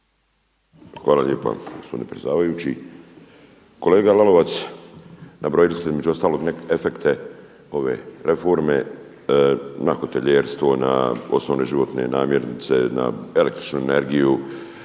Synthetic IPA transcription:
xʋaːlalʲje̞ːpa̰ɡospod̪inepɾesd̪aːʋajut͡ɕi | ko̞le̞ːɡalalo̞ʋat̪s | nabɾoːjilisizme̞d͡ʒuo̞st̪aːlo̞ɡnefe̞kt̪ʰe̞ | o̞ʋe̞ɾe̞fo̞ɾme̞ | naxot̪e̞ʎeːɾst̪ʋo̞na̰o̞̰snoʋne̞ʒiʋo̞t̪ne̞̰naːmjeɾnit̪se̞na̰elekt̪ɾi̥t͡ʃnuene̞ɾɡiju

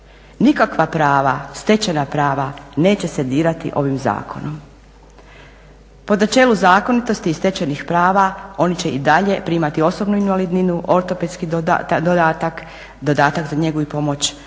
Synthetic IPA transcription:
nikakʋapɾaːʋast̪e̞t͡ɕanapɾaːʋane̞ːt͡ɕe̞se̞d̪iːɾat̪ḭʔo̞ʋimza̰ːkʰo̞̰nom | po̞d̪nat͡ʃe̞ːluzaːko̞nit̪o̞st̪iːst̪e̞t͡ɕanixpɾaːʋao̞nit͡ɕe̞id̪aʎe̞pɾiːmat̪io̞so̞bnuinʋalid̪ninuʔo̞ɾt̪o̞ped̪skid̪od̪aːt̪ak | d̪o̞d̪aːt̪akzaɲe̞ɡoipo̞mo̞t͡ɕ

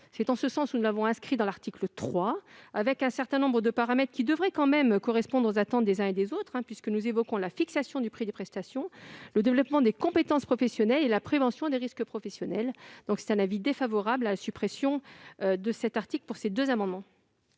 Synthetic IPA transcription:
sɛt̪ɑ̃səsɑ̃sunulavɔ̃ɛ̃skχid̪ɑ̃laʁt̪iklət̪χwaavɛkɛ̃sɛʁt̪ɛ̃nɔ̃bʁəd̪əpaʁamɛt̪χkʲid̪əvʁɛkɑ̃mɛmkɔʁɛspɔ̃d̪ʁozat̪ɑ̃t̪̚d̪ezɛ̃ed̪ezot̪χɛ̃pɥiskənuzevɔkɔ̃lafiksasjɔ̃d̪ypχid̪əpχɛst̪asjɔ̃ləd̪evlɔpmɑ̃d̪ekɔ̃pet̪ɑ̃spχɔfɛsjɔnɛlelapχevɑ̃sjɔ̃d̪eʁiskəpχɔfɛsjɔnɛld̪̥ɔ̃ksɛ̥t̪ɛ̃navid̪efavɔʁablalasypχesjɔ̃ød̪əsɛt̪aʁt̪iklpuʁsed̪øzamɑ̃d̪mɑ̃

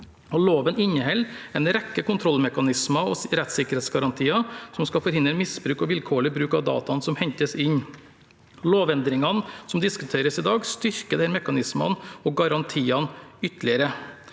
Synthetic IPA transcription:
ɔloːʋənɪɲːəhɛlːɛnɾɛkːəkʊnt̪ʰɾɔlːmɛkɑnɪsmɑɔɾɛt̪sɪkəɾheːt̪sɡɑɾɑnt̪ʰiːɑsɔmskɑfɔɾhɪnd̪ɾəmɪsbɾʉːkɔʋɪlkʰoːɭɪbɾʉːkɑʋd̪ɑ̰ːt̪ɑnsɔmhɛɲt̪əsɪɲː | loːʋɛnd̪ɾɪŋɑnsɔmd̪ɪskʉt̪ʰeːɾəsɪd̪ɑːɡst̪ʏɾkəd̪ɛæːɾmɛkɑnɪsmɑ̰nɔɡɑɾɑnt̪ʰiːɑnʏt̪lɪəɾə

